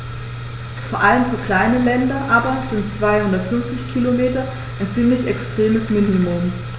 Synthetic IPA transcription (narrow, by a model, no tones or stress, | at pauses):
foːɐʔaləmfyːɐkl̥aɪnəlɛndɐʔaːbɐz̥ɪntt͡sv̥aɪhʊndɐtfʏɐft͡sɪçkʰilomeːtɐ | ʔaɪnt͡siːmlɪçɛkstʁ̥eːməsmɪnimʊm